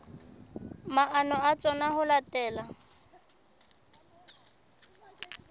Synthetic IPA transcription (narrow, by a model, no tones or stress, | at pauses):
maʔanɔat͡sʼɔnahʊlatʼɛːla